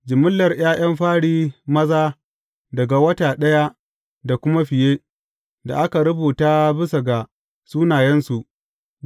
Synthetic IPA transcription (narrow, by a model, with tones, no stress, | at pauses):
d͡ʒɪ˨mʊ˦lːɐ˨rj̰aː˦j̰ɐ˦mɸaː˦ɽiː˦mɐ˦zaː˦ | dɐ˨ɡa˨wɐ˦taː˨ɗɐ˦ja˦ | da˨kʷʊ˦ma˦ɸɪ˨jeː˦ | da̰˨ʔa˦ka˨ɾʊ˦buː˨taː˦bɪ˦sɐ˨ɡa˨ | suː˦naː˨jɛ˦nsu˨ʔ